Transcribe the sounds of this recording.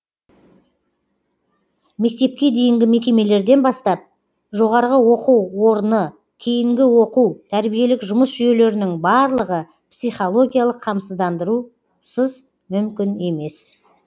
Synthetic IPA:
me̞k̚t̪e̞p̚kʲe̞d̪e̞jɪŋɡʲɪme̞kʲe̞me̞le̞ɾd̪e̞nbɑst̪ɑp̚ | ʒo̞ʁɑɾʁəwo̞quwwo̞ɾənə | kʲʰejɪŋɡʲɪwo̞quwt̪ʰæɾbije̞lɪkʒʊməsʒʏje̞le̞ɾɪnɪŋbɑɾlˠəʁə | psijχo̞lˠo̞ɡʲijalˠəqʰːɑmsəzd̪ɑnd̪əɾu | səz | mʏmkʲɪne̞me̞s

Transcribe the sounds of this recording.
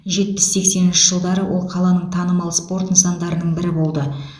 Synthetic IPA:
ʒe̞t̪̚pɪ̥sːe̞kse̞nɪnʃɪʒəlˠd̪ɑɾəwo̞lˠqʰɑlˠɑnəɴt̪ʰɑnəmɑlˠspo̞rt̪ənsɑnd̪ɑɾənəɴbɪɾɪbo̞lˠd̪ə

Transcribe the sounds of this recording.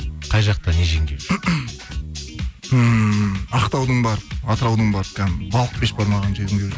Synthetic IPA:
qʰɑjʒɑq̚t̪ɑneʒeŋɡʲew | ə | ɑqt̪ɑwd̪əɴbɑɾəpɑt̪əɾɑwd̪əɴbɑɾp̚kʲʰænbɑlˠəq̚be̞ʃbɑɾmɑʁɑnʒed̪ɪŋɡ̪ʲew

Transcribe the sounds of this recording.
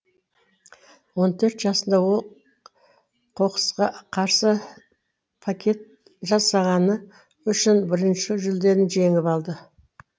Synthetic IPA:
wo̞nt̪ʰɵɾt̪ʒɑsənd̪ɑwolˠ | qʰo̞qə̥sqɑqʰɑɾsə | pʰakʲʰe̞t̪̚ | ʒɑsɑʁɑnə | ʏʃɪnbɪɾɪnʃɪʒʏld̪e̞ɾɪnʒe̞ŋɪpɑlˠd̪ə

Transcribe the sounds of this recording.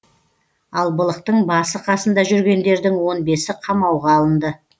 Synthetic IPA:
ɑlˠbəlˠəq̚t̪əɴbɑsəqʰɑsənd̪ɑʒʏɾɡʲe̞nd̪e̞ɾd̪ɪŋwo̞nbe̞sɪqʰɑmɑwʁɑːlˠənd̪ə

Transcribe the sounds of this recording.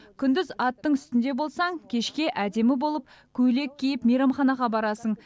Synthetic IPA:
kʲʰʏnd̪ɪzɑt̪ːəɴʏst̪ɪnd̪e̞bo̞lˠsɑŋkʲʰe̞ʃkʲe̞ʔæd̪e̞mɪbo̞lˠəp̚ | kʲʰɵle̞kʲʰːejɪpmejɾɑmχɑnɑʁɑbɑɾɑsəɴ

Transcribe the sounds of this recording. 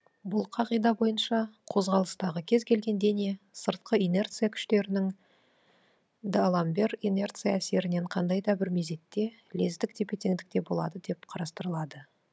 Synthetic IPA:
bʊlˠqʰɑʁijd̪ɑbo̞jənʃɑqʰo̞zʁɑlˠəst̪ɑʁəkʲʰe̞zkʲʰe̞lɡʲe̞nd̪e̞ne̞səɾt̪̚qəine̞rt̪sɨjakʲʰʏ̥ʃt̪e̞ɾɪnɪŋ | d̪alˠɑmbe̞rine̞rt̪sɨjaːse̞ɾɪne̞ɴqʰɑnd̪ɑjd̪ɑbɪɾmeze̞t̪ːe̞ | le̞zd̪ɪkt̪ʰe̞pe̞t̪e̞ŋd̪ɪk̚t̪e̞bo̞lˠɑ̰d̪əd̪e̞p̚qʰɑɾɑst̪əɾəlˠɑd̪ə

